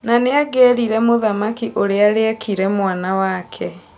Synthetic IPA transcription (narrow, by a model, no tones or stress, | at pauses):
naneaɡɛɾiɾɛmoðamakiʔoɾeaɾeɛkiɾɛmwanawakʰɛ